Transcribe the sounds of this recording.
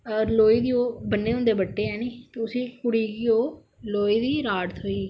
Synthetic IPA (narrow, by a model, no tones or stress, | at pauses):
əɾloːiːd̪iːoːbənːeːʊ̃ːnd̪eːbəʈːeːɛːniːt̪eːʊsĩːkʊɽiːɡɪoː | loːiːd̪iːɾaːɽt̪ʰɦoːiː